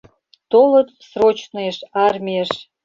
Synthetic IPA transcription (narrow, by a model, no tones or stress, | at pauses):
t̪olət̪srot͡ɕnoeʃɑrmʲieʃ